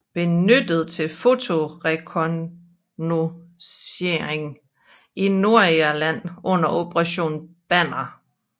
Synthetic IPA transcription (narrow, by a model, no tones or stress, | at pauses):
b̥e̝nød̥ð̞̩ˠt͡sʰe̝lfo̝t͡sʰo̝ʁekʰon | noseeŋ | ino̝ɐ̰iælæn̰ɔ̽n̰ɐʔo̝b̥əʁɑɕo̝̰ːnb̥æn̰ɐ